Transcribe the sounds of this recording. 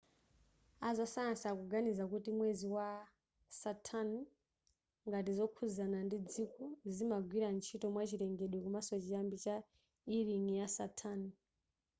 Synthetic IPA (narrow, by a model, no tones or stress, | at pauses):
azɔsajansakuɡanizakutimweziwa | satʰan | ŋɡatizɔkʰuzanandid͡zikɔzimaɡwiɾant͡ʃʰitɔmwat͡ʃiɾɛŋɡɛɗwɛkumasɔt͡ʃijambit͡ʃa | iɾiŋijasatʰan